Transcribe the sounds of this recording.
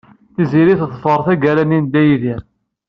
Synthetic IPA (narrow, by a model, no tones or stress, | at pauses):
θiziɾiθθfəɾˤθæɡæɾænind̪æjiðiɾ